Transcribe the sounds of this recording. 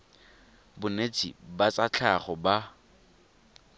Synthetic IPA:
bʊnet͡sʼḭbat͡sat͡ɬʰaχɔba

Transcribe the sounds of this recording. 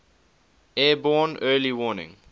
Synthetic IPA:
ɛːbɔːnɜːliwɔːnɪ̰̃ŋ

